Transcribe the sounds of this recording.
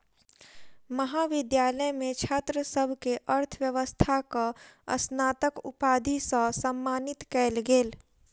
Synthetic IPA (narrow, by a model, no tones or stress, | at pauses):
məɦaːʋɪd̪jaːləjmẽt͡ʃʰaːt̪ɾəsəbʱkeʔəɾt̪ʰʋjəʋəst̪ʰakaə̰snaːt̪əkʊ̰paːd̪ʱisasəmːaːnɪt̪kɛːlɡeːl